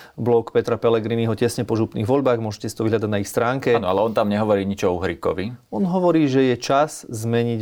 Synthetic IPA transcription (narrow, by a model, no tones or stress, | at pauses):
blɔkpɛt̪ɾapɛlɛɡɾiniɦɔcɛsɲɛpɔʒupnḭɣʋɔʎbaːɣmʊɔʒɛcɛsit̪ɔʋiɦʎad̪aɟnaixst̪ɾaːŋkɛnɔalɛɔnt̪amɲɛɦɔʋɔɾiːɲit͡ʃɔuɦɾikɔ̰ʋiɔnɦɔʋɔɾiːʒɛjɛt͡ʃaszmɛɲiɟ